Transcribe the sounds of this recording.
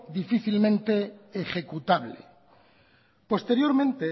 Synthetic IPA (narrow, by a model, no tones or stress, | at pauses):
ðifiθilmẽnt̪e̞ːxe̞kut̪aβlḛ | po̞st̪e̞ɾjo̞ɾmẽ̞nt̪e